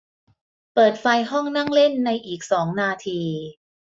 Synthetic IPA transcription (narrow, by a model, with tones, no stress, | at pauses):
pɤː˨˩t̪̚fa˧jɦɔ˥˩ŋna˥˩ŋle˥˩nːa˧jʔiː˨˩k̚sɔː˩˦ŋnaː˧t̪ʰiː˧